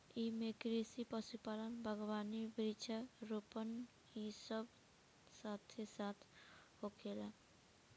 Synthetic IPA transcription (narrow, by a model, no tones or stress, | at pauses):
emekɾisipɔsipalanbʱəɡobanibɾit͡ʃʰaɾupən | isɔb | sat̪ʰesat̪ʰ | hokʰela